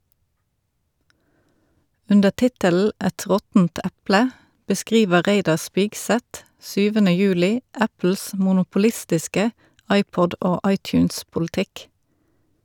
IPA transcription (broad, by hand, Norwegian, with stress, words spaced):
ˈʉndəʁ ˈtɪtəl̩ ˈɛt ˈʁɔtn̩t ˈæplə bəˈskʁiːʋəʁ ˈʁeɪdɑʁ ˈspɪɡˌsɛt ˈsyːʋənə ˈjʉːlɪ ˈæpl̩s mʊnʊpʊˈlɪstɪskə ˈʔɑɪpɔd ˈoː ˈɑɪtjʉːnspʊlɪˌtɪk